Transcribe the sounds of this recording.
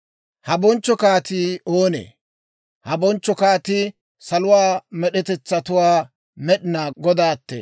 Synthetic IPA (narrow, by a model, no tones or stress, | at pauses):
hɐbɔnt͡ʃːɔkaːt̪iːoːnḛː | hɐbɔnt͡ʃːɔkaːt̪ɪ | sɐlʊwaːmɛɗɛt̪ɛt͡sːɐt̪ʊwaː | mɛɗɪnaːɡɔd̪aːt̪ːḛ